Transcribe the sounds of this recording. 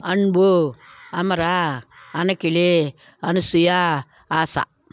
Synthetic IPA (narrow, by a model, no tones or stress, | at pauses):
anboamaɾaːnakile | anasuja | asa̰